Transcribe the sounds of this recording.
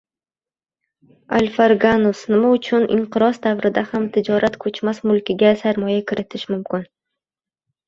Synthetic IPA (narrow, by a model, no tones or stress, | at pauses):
alʲfaɾɡanʊsnɪmaʊt͡ʃʰʊnʔɪ̰ɴqɨɾɒsd̪avɾɪd̪ahamt̪ʰɪd͡ʒɒɾat̪kʰɵt͡ʃmasmʊlˠkʲɪɡʲasaɾmɒjakʲʰɪɾɪt̪ʰɪʃmʊmkʲɪn